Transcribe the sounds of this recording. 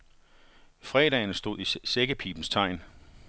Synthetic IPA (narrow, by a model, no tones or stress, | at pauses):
fʁɛːɾ̥ɛ̰ɪnəsd̥o̝ð̰ˠiseɡ̥əpʰḭːb̥n̩st͡sʰɑ̈ɪ̰n